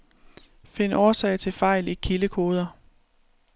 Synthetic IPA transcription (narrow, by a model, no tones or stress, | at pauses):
fe̝nɒːsɛ̰ːɪt͡sʰe̝lfɑ̈ɪ̰likʰiləkʰo̝ːð̞ˠɐ